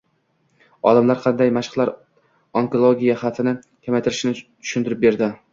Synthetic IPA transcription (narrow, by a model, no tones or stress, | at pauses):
ɒ̰lamlaɾqʰɑnd̪ajmaʃɪ̥qlˠaɾ | oŋkolˠoɡʲijaχat̪ʰɪnɪ | kʲʰamajt̪ʰɪɾɪʃnɪt̪ʰʊ̥ʃʊnt̪ɪɾɪp̚be̞ɾd̪ɪ